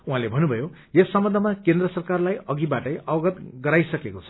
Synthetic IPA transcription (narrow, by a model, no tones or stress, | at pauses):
uɦãlebʱʌnːubʱʌjo | jesːʌmbʌnd̪ʱʌmakend̪rʌsʌrkarlajʌɡibaʈʌjʌɡʌt̪ɡʌɾajsʌkekot͡sʰʌ̥